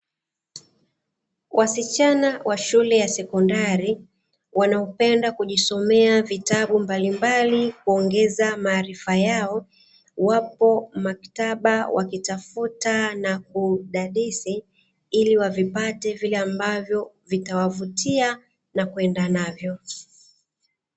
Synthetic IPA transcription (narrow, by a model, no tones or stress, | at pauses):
wʔasit͡ʃanawʔaʃulɛjasɛkɔndaɾi | wanaɔpɛndakuʄisɔmɛavitaɓumbalimbalikuɔŋɡɛzamaːɾifajaɔ | wapɔmaktaɓawʔa̰kitafutanakuɗaɗisi | iliwavipatɛvilɛambavjɔ | vitawavutia | nakwɛndanavjɔ